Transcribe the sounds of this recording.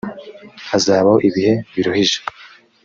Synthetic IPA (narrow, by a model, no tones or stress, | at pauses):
azaːβahoʔiβihe̞βiɾohiʒḁ